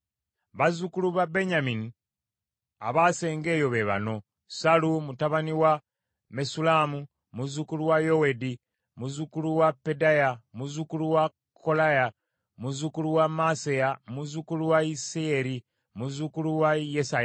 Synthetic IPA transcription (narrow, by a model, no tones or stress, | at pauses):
βazukuluβabe̞ɲamini | a̰βase̞ːŋɡe̞ːjo̞βe̞βa̰no̞ | salumutaβaniwa | me̞sulamu | muzukuluwajo̞wedi | muzukuluwapːe̞dajamuzukuluwa | kʰːo̞laja | muzukuluwamasejamuzukuluwaiseeɾi | muzukuluwajesaj